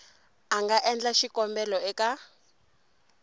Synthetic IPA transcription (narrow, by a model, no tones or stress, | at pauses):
aŋɡaʔɛnd͡ɮaʃikɔmbɛlɔɛka